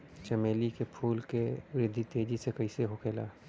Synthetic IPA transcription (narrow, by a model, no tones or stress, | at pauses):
t͡ʃɐmeːlikepʰuːlkeʋɪɾɪd̪ʱːit̪eːd͡ʒisekɐɪseɦokʰeːlaː